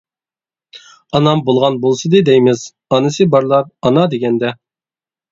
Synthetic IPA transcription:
ɑnɑmbolˠʁɑnbolˠsɨd̪ɨd̪ɛjmɪz | ɑnɨsɨbɑɾlˠɑp̚ɑnɑd̪eɡʲɛnd̪ɛ

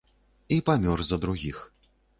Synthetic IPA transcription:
ipamʲɔrzɐd̪ɾuɣʲix

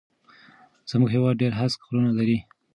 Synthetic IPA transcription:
z̥muɡɦewɑd̪̚ɖeɾɦaskɾunalaɾi

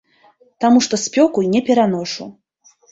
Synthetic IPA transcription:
t̪amuʂt̪ɔsʲpʲɔkujnʲɛpʲɛɾanɔʂṵ

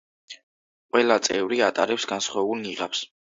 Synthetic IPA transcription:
qʼwɛlat̪sʼɛvɾiat̪ʼa̰ɾɛpsɡansχwaɛbulˠniʁaps

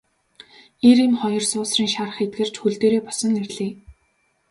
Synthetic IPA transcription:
eɾimχɔjɞ̆rsʊːsriːŋʃarə̆χet̪̚ɡɘ̆r̥t͡ɕxuɮt̪eːɾeːpɔsə̆nːerɮiː

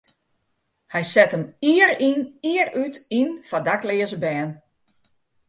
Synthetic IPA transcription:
hɛjsɛtəmiəɾiniərytinfadaklɪəzəbɛːn

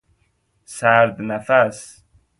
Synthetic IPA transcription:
saɾd̪nafas

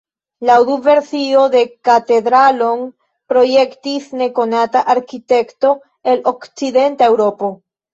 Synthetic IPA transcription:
lawduve̞ɾsio̞de̞kate̞dɾalo̞n | pɾo̞je̞ktisne̞ko̞nataʔaɾkite̞kto̞ | e̞lo̞kt͡side̞ntae̞wɾo̞po̞

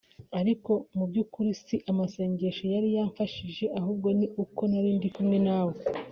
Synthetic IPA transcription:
aɾiko̞mubɟuːkuɾisiʔamase̞ːɲɟe̞ʃojaɾijaːɱfaʃiʒe̞ʔaɦuːb̚ɡo̞niuko̞naɾiːndikumŋe̞naːwo

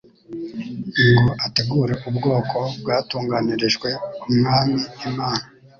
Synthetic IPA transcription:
ŋɡoʔate̞ɡuːɾe̞ʔubɡo̞ːkʰo̞bɡaːtuːŋɡaniɾeʒɡwe̞umŋaːmiːmaːna

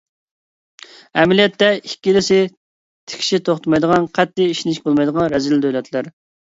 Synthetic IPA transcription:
ɛmɪlijɛt̪ːɛikʲːilɪsɪ | t̪ʰɪ̥kʲʃit̪ʰoχt̪mɑjd̪əʁɑnqʰɛt̪ːɪiʃnɪʃʲbolˠmɑjd̪əʁɑnɾɛzild̪ølɛt̪ʰlæɾ

